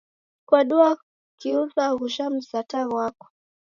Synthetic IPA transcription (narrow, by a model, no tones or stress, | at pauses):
kwaɗua | kiuzaɣuʃam̩sataɣwakɔ̥